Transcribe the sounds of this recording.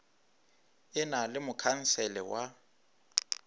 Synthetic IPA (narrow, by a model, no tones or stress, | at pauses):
ɪnalɪmʊkʰan̩sɛlɛwa